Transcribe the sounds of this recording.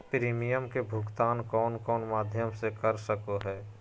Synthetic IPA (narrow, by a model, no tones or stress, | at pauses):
pɾiːmijəmkebʱʊɡt̪aːnkɔːnkɔːnmaːd̪ʱjəmsekəɾsəkoɦɛː